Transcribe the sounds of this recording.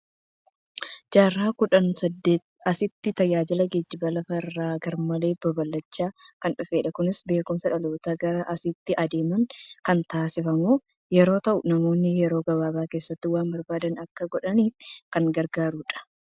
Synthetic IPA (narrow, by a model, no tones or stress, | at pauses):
d͡ʒaːrːaːkʊᶑɐnsɐd̪ːeːt̪ɐsɪt̪ːɪt̪ɐjaːd͡ʒɪlɐɡed͡ʒːɪbɐlɐfɐrːaːɡɐɾmɐle̞ːbɐbɐlːɐt͡ʃːaːkɐnᶑʊfe̞ːᶑɐkʊnɪsbe̞ːkʊmsɐᶑɐloːt̪aɡɐɾɐʔɐsɪt̪ːɪʔɐd̪e̞ːmɐŋkɐnt̪aːsɪfɐmoː | jɛɾo̞ːt̪ɐʔʊnɐmo̞ːnːɪjɛɾo̞ːɡɐbaːbaːke̞ːsːɐt̪ːɪwaːmbɐɾbaːd̪ɐnɐkːɐɡɔᶑɐniːfkɐŋɡɐɾɡaːɾuːᶑɐ̥